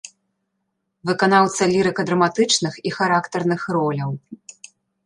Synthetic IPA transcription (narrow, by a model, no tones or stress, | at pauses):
vɨkanawt̪sɐlʲiɾɨkɐd̪ɾɐmat̪ɨt͡ʂnɨxixaɾakt̪ɐrnɨxrɔlʲɐw